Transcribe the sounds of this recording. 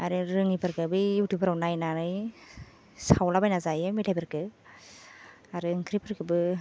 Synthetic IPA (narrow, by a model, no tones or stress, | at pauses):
aɾɯɾɯŋipʰɯɾkɯbɯjutʰupʰɯɾawnajnanɯj | sawlabajnazajɯmitʰajpʰɯɾkɯ | aɾɯŋkʰɾipʰɯɾkɯbɯ